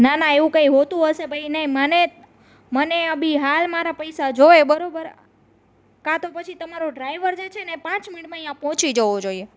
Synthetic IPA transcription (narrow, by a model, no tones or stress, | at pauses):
nanaeʋũkəiɦot̪ũɦəʃebʱəinəɦiməne | məneəbʱiɦalmaɾapəjsad͡ʒoʋebəɾobəɾ | kãt̪opət͡ʃʰit̪əmaɾoɖɾajʋəɾd͡ʒet͡ʃʰenepãt͡ʃmɪiʈmãjãpɔɦt͡ʃid͡ʒəʋod͡ʒoie